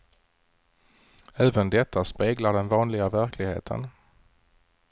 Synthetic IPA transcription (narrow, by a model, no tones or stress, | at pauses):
æːvənd̪ɛt̪ʰːaspeːɡlaɖɛnvɑːnlɪɡavæɾkʰlɪɡhḛːt̪ʰə̰n